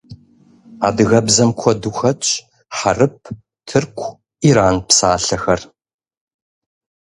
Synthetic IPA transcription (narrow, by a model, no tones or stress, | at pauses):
a̰ːdɨɣɐbzɐmkʷʰɔduxɐt͡ʃʼ | ħarɨp̚ʰ | tʰɨrkʷʰ | iːɾaːnpsaːɬɐxɐr